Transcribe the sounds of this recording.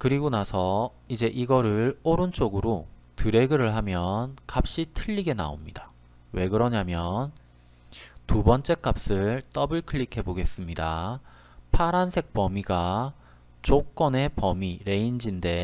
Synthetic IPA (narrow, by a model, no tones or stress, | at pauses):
kɯɾiɡonasʰʌ | id͡ʑe̞ʔiɡʌɾɯɭoɾɯnt͡ɕ͈oɡɯɾo | tɯɾe̞ɡɯɾɯɭɦamjʌnkap̚ɕ͈itʰɯʎːiɡe̞na̰o̰mɲida | we̞ɡɯɾʌɲamjʌn | tubʌnt͡ɕ͈e̞k͈ap̚s͈ɯɭt͈ʌbɯɭkʰɯɭːikʰe̞boɡe̞s͈ɯmɲida | pʰaɾansʰe̞k̚p͈ʌmiɡa | t͡ɕok͈ʌne̞pʌmiɾe̞ind͡ʑinde̞